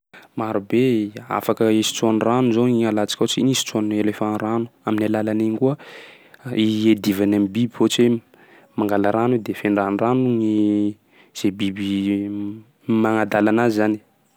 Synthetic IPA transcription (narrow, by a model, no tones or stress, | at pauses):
maɾubea̰fakəisi̥t͡sanranuzoiɲalat͡si̥kʲot͡sinisi̥t͡suanelefãnranu̥aminalalaniŋkuə | ied̪ivanamibibihot͡se | maŋɡalaɾanud̪efeɳɖ͡ʐaniranuɲi | z̥ebibi | maŋad̪alanaizani̥